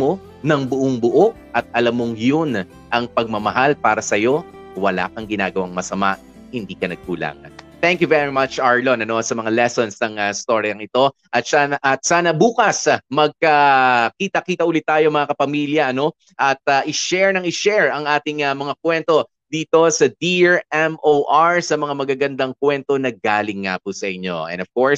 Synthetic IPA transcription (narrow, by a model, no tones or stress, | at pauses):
mo̞ | nɐŋbʊʔoŋbʊʔoʔʔɐt̪̚ɐlamːoŋjon | ʔɐŋpɐɡ̚mɐmɐɦalpaːɾɐsɐjo̞ | wɐla̰ːkɐŋɡɪna̰ːɡɐwaŋmɐsɐma̰ʔ | hɪnd̪iːkɐnɐɡ̚kula̰ːŋɐ̰n | t̪ɛŋkjuvɛɹimɐt͡ʃʔaɹlonɐno̞sɐmɐŋalɛsonsnɐŋɐst̪o̞ɹjɐŋɪt̪o̞ | ʔɐt̪saːnɐʔɐt̪̚saːnɐbuːkɐsmɐɡ̚kɐkiːt̪ɐkiːt̪ɐʔulɪt̪ːaːjomɐŋakɐpɐmiljɐʔɐno̞ | ʔɐt̪̚ɐʔɪʃɛɹnɐŋɪʃɛɹɐŋʔaːt̪ɪŋɐmɐŋakwɛnt̪o̞ | d̪iːt̪o̞sɐd̪iɹʔɛmʔoʔaɹsɐmɐŋamɐɡaɡɐnd̪ɐŋkwɛnt̪o̞nɐɡaːlɪŋːapusɐʔɪɲːo̞ɛ̰nov̥koɹs